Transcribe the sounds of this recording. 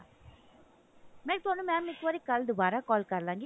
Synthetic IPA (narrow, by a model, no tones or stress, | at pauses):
meːk̚t̪oːnɯmaːmɪkʋoɾikɐld̪ɯʋaːɾakɔːlkaːɾlaːŋɡi